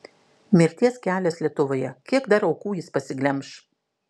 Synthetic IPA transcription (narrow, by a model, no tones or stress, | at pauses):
mʲɪɾʲt̪ʲiɛskʲæːlʲɛslʲiɛt̪ʊʋoːjɛkʲiɛɡd̪ɐɾɒʊkuːjɪspɐsʲɪɡlʲɛmʃ